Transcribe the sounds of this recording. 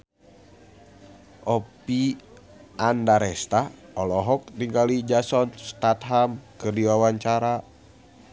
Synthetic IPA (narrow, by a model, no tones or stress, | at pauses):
ʔɔpi | andaɾɛst̪aɔlɔɦɔk̚diŋkalid͡ʒasɔnst̪at̪̚ɦamkɨrdiwawaɲt͡ʃaɾa